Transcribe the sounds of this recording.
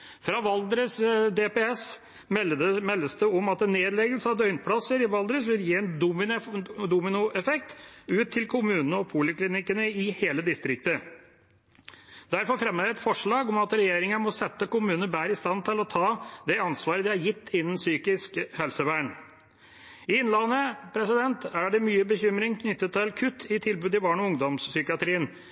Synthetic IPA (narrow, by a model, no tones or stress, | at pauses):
fɾɑʋɑld̪ɾəsd̪epeɛs | mɛlːəsd̪ɛɔmɑt̪̚ɛnːeːd̪lɛɡəlsəɑʋd̪œʏnpʰlɑsəɾɪʋɑld̪ɾəsʋɪljiːɛnd̪mɪd̪uːmɪnʊʔɛfɛk̚t̪ʉːt̪ʰːɪlkʰʊmʉːnənəɔpʰuːlɪklɪnɪkːənəɪheːləd̪ɪst̪ɾɪk̚t̪ə | d̪æɾfɔɾfɾɛmːəɛt̪fɔʂɭɑːɡɔmɑt̪ɾɛjeːɾɪŋɑmɔsɛt̪ːəkʊmʉːnəəbæːɾɪst̪ɑnːt̪ʰɪlɔt̪ʰɑːd̪ɛɑnsʋɑːɾəd̪ɪæɾjɪt̪ʰːɪnːən̩syːkɪskhɛlsəʋæːɳ | ɪɪnlɑnəpʰɾɛsɪd̪ɛnt̪æɖɛmyːəbəçʏmɾɪŋkʰnʏt̪ːət̪ʰːɪlkʰʉt̪ʰːɪt̪ʰɪlbʉːd̪ɪbɑːɳɔʊŋd̪ɔmssʏkɪɑt̪ʰɾiːən